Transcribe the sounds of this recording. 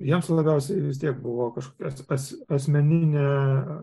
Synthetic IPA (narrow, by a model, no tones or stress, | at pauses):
jiɛmslˠɐbʲɛʊsʲɛɪʋʲɪs̬t̪ʲiɛk̚bʊʋoːkɐʃkoːkʲɛsɐsʲɐsʲmʲɛnʲɪnʲe